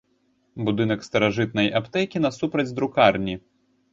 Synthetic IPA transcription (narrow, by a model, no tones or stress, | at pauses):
bud̪ɨn̪ɐkst̪ɐɾaʐɨt̪̚nɐjʔapt̪ɛkʲin̪ɐsupɾɐd͡zʲd̪ɾukarnʲi